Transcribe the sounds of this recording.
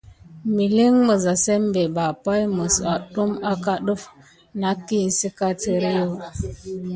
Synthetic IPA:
mi˨li˦ŋmə˨za˨se˦mbe˨ba˨pa˦jmə˨sa˨ɗu˦ma˦ka˦ɗə˦f | na˦kːi˦˨n̩˨si˦ka˦tə˦ɾi˦jo˦˨

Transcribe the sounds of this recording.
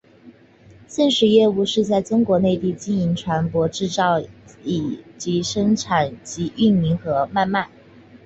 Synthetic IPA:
ɕjɛ˥˩nʂɻ̩˨˥jɛ˥˧u˥˧ʂɻ̩˥˧t͡sa˥˩ɪʈ͡ʂʊ˥ŋkwɔ˧˥ne˥˧ɪt̪i˥˧t͡ɕi˥˩ni˧˥ŋʈ͡ʂʰwa˧˥npwɔ˧˥ʈ͡ʂɻ̩˥˧t͡sɑ˥˩ʊi˨˩t͡ɕi˧˥ʂɤ˥ŋʈ͡ʂʰa˨˩nt͡ɕi˧˥ʔy˥˩nmi˧˥ŋxɤ˧˥ma˥˧nma˥˩n

